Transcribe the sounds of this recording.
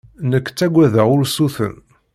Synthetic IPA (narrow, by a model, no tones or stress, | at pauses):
nəkːt͡sːæɡʷːæðəʁʊɾsuθə̰n